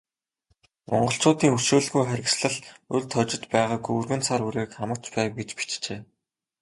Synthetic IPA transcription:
mɔ̰ɴɢɞ̆ɬt͡sʊːt̪iːŋɵʃuːɮɣujχæɾʲɪ̆ksɮə̆ɮɵɮt̪ʰœt͡ɕɪ̆t̪pæːʁaːɡujɵrɣɘ̆nt͡sʰaɾuɾeːkχamə̆kt͡ɕpæːwɡet͡ɕpi̥t͡ɕt͡ɕeː

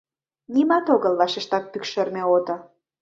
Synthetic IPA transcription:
nimɑt̪oɣəlβɑʃeʃt̪ɑt̪̚pykʃĕrmeot̪ŏ

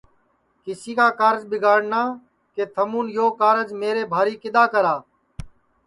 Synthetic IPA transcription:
kɪsiːkaːkaːɾd͡ʒbɪɡaːɽnaː | keːt̪ʰəmuːnjoːkaːɾəd͡ʒmeːɾeːbʱaːɾiːkɪd̪aːkəɾaː

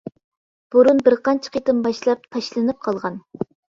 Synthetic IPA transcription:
b̥uɾunbɪɾqɑnt͡ʃʰə̥qʰet̪ɨmbɑʃlˠɑp̚t̪ʰɑʃlˠɨnɨp̚qʰɑlˠʁɑn

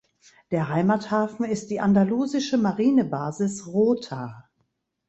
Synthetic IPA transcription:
d̥eːɐɦaɪmathaːfn̩ɪst̚d̥iːʔandaluːzɪʃəmaʁiːnəbaːzɪsʁoːtʰaː

